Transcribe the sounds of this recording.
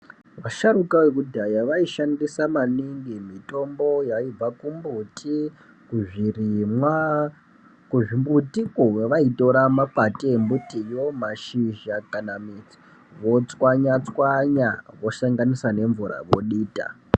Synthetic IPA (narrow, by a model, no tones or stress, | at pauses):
ʋaʃarukawekudʱajaʋaiʃandisamaniŋɡimito̞mbo̞jaib͡vakumbutʰi | kuʐirimwa | kuʐimbutikuweʋaito̞ɾamapateːmbutijo̞maʃiʒakanamit͡si̥ | ʋo̞t͡swaɲat͡swaɲaʋo̞ʃaŋɡanisane̞ɱvuɾa̰ʋo̞ɗiːta̰